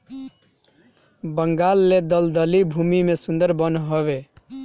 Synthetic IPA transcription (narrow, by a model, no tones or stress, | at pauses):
bəŋɡalːed̪əld̪əlibʱumimesund̪əɾbənɦoβe